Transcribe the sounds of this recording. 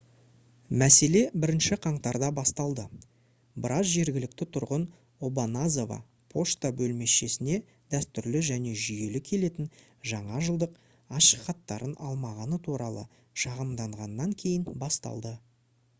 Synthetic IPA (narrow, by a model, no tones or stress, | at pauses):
mæse̞le̞bɪɾɪnʃɪqʰɑɴt̪ɑɾd̪ɑbɑst̪ɑlˠd̪ə | bɪɾɑzʒe̞ɾɡʲɪlɪk̚t̪ɪt̪ʰʊɾʁən | o̞banazovɑ̰ | pʰo̞ʃt̪abɵlme̞sʃe̞sɪne̞ | d̪æst̪ʏɾlɪʒæne̞ʒʏje̞lɪkʲʰe̞le̞t̪ɪn | ʒɑɴɑʒəlˠd̪əq | ɑʃəχɑt̪ːɑɾənɑlˠmɑʁɑnət̪ʰuɾɑlˠə̰ | ʃɑʁəmd̪ɑɴʁɑnːɑŋkʲʰe̞jɪnbɑst̪ɑ̰lˠd̪ə